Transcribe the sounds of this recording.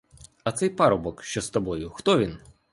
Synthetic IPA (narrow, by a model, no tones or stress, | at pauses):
ɐt̪sɛjpɑɾɔbɔkʃt͡ʃɔst̪ɔbɔjʊxt̪ɔʋʲin